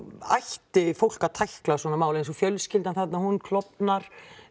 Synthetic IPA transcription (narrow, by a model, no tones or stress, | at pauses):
a̰jht̪ɪfowl̥kat̪ʰajhklaswɔːnamaːwlejns̬ɔfjœlscɪlt̪anθɛt̪nahunkʰlɔpnaɾ̥